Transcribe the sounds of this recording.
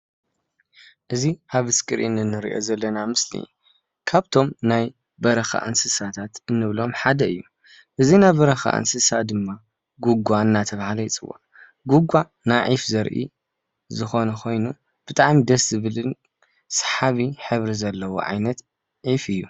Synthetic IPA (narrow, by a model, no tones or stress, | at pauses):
ʔɨziʔaβɨskʼɨɾʔinɨnːɨɾḭʔo̰zɐlːɐnamɨslḭ | kʰaβt̪ʰo̞mnaj | bɐɾɐxa̰ʔɨ̰nsɨsat̪ʰat̪ɨnːɨβlo̞mħad̪ɐɨjːu | ʔɨzinajbɐɾɐxa̰ʔɨ̰nsɨsad̪ɨmːa | ɡuɡʷaɨnːat̪ʰɐβhalɐjt͡sʼɨwa̰ | ɡuɡʷːa | naʕifzɐɾʔḭ | zɨxo̞nɐxʰo̞jnu | b̥ɨt̪ʼaʕmid̪ɐszɨβɨlɨn | sħaβiħɨβɾizɐlːɐwo̰ʕa̰jnɐt̪ | ʕifɨjːu